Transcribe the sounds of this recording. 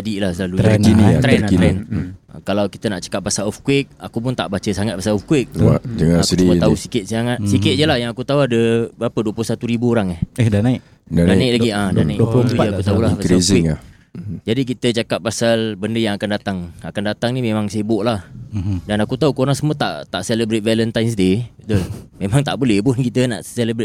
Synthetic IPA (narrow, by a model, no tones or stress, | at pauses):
d͡ʒadiʔlahsəlaluəninit̪ɾɛnkiɾɛn̰kalawkit̪ənaʔt͡ʃə̥kapːasalɔfkwɪk̚akup̬ʊnt̪aʔbat͡ʃəsaŋat̪̚pasalɔfkwɪk̚wad͡ʒəŋasdiət̪ausi̥kɪt̪̚sjaŋat̪̚sikɪt̪̚d͡ʒəlahjaŋakut̪auadəbapəduəplʊhsat̪uɾibuoɾaŋahɛdanaɪ | dandaaiʔlaɡiadanaiʔt̪uakut̪aulapakaisɪŋlah | d͡ʒadik̬it̪ət͡ʃakap̚pːasalbəndəjaŋakandat̪aŋakandat̪aŋnimemaŋsajəboʔlahdanakut̪aukoɾaŋsəmuət̪a̰ʔt̪aʔseləbɾet̪̚vɛlənt̪ajms̬dedəmemaŋt̪aʔbolɛhbʊnkit̪əna̰ʔseləbɾe